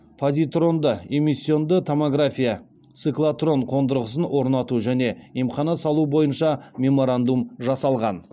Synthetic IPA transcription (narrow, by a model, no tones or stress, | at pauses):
pʰozʲijt̪ro̞nd̪əe̞mʲisʲːio̞nd̪ət̪ʰo̞moɡrafʲija | tt̪sɨklˠat̪ro̞ɴqʰo̞nd̪əɾəʁəs̬ənwʔo̞ɾnɑt̪uʒæne̞imχɑnɑsɑlˠubo̞jənʃɑmʲe̞mo̞ɾand̪umʒɑsɑlˠʁɑn